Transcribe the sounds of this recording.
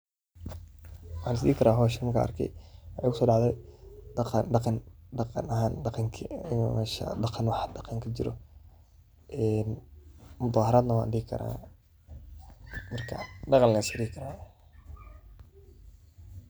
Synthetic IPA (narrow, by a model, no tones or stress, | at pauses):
wħaːnɪs̬d̪ḭːkʰɐɾaːɦɔːʃɛmɐkʰa̰ʔɐ̰rkʰɛ̰jwɑħɑjʊkʰʊsɔːɖɑʕðɛjqɖɑqɑnɖɑqɑ̰nɐɦaːnɖɑqɑŋkʰiɪnṵmɛʃɐ̰dɑqɑnwɑħd̪ɑqɑŋkʰɐt͡ʃɪɾɔ̰ | ʔɛnmʊd̪ɑːɦɐɾaːd̪nɐwɑ̰ːndiːɡkʰɐ̰ɾa̰ː | mɐrkʰɐ̰ɖɑqɑnlɛsɪɾiːkʰɐɾaː